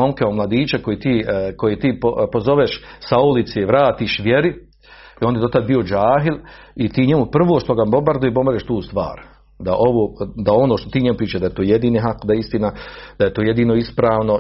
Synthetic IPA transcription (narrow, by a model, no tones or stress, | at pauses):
o̞mkeomlˠad̪iːt͡ʃeko̞jet̪iːkojet̪iːpopozo̞ʋeʃsaulit̪seʋɾaːt̪iːʃʋje̞ɾi | iond̪jed̪o̞t̪ad̪̚bio̞d͡ʒaːɦilit̪iːɲemupr̩ʋoːʃt̪oɡabo̞mbaɾd̪ujibo̞mbaɾeʃt̪uːst̪ʋa̰ːɾ | d̪aʔo̞ʋoːd̪ao̞noʃt̪o̞t̪iːɲemupɾiːt͡ʃaʒd̪aet̪oːjed̪iːneɦakd̪aist̪inad̪̥aet̪oːje̞d̪iːno̞ispɾaːʋno̞